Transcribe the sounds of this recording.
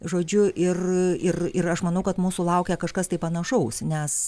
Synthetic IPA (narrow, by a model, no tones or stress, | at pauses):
ʒoːd͡ʒʲʊʔɪrɪrɪrɐʃmɐnɐʊkɐt̪muːsulˠɐʊkʲɛkɐʃkɐst̪ɐɪpɐnɐʃɐʊsnʲɛs